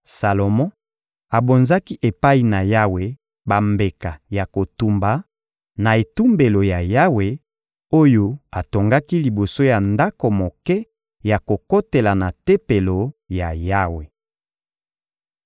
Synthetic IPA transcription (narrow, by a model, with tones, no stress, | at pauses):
sa˨lo˨mɔ̃˦ | a˨bo˨nza˦ki˦ʔe˨pa˦i˨na˨ja˦we˨ | ba˨mbe˨ka˨ja˨ko˨tu˨mba˨ | na˨e˨tu˦mbe˨lo˨ja˨ja˦we˨ | o˦jo˦a˨to˨ŋɡa˦ki˦li˨bo˨so˦ja˨nda˦ko˨mo˨kɛ˦ | ja˨ko˨ko˦te˨la˨na˨te˦pe˨lo˨ja˨ja˦we˨